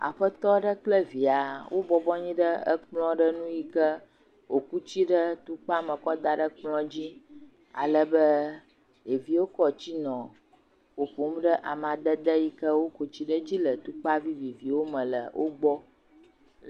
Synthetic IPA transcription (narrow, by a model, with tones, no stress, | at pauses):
a̰˨ɸə˦t̪ɔ˦ɖə˦k͡plə˦vi˨a˨wʔo˦bɔ˦bɔ˦ɲĩ˦ɖə˦ə̰˦k͡plɔ̃˦ɖə˦nũ˦ji˦kə˦ | wo˨ku˦t͡ɕi˦ɖə˦t̪u˦k͡pa˦mə̃˨kɔ˦d̪a˨ɖə˦k͡plɔ̃˦d͡ʑi˦ | a̰˨lə˦bə˦ | e˨vi˦wo˦kɔ˦t͡ɕi˦nɔ̃˨ | wo˨ɸu˨˦m˦ɖə˦ʔa˨mã˨d̪ə˦d̪ə˦ji˦kə˦wo˦ko˨t͡ɕi˦ɖə˦d͡ʑi˦lə˨t̪u˦k͡pa˦vi˦vi˨vi˨wo˦mə̃˨lə̰˨wʔo˦ɡ͡bɔ˦